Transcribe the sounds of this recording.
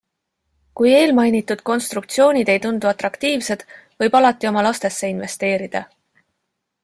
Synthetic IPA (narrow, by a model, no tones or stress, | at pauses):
kuje̞ːlmɑjnit̪ːˑud̪̥ko̞nst̪ɾuk̚t̪sio̞ːnʲid̪e̞jt̪und̪̥uɑt̪ɾɑkt̪iːvse̞d̪̥vɤ̞jb̥ɑlɑt̪ːˑio̞mɑlɑst̪e̞sːe̞inve̞st̪e̞ːɾid̪̥ɑ̰